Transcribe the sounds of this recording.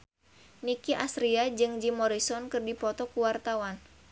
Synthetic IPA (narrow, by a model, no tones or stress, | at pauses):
nikiʔasɾiad͡ʒɨŋd͡ʒimɔɾisɔnkɨrdipɔt̪ɔkuwart̪awan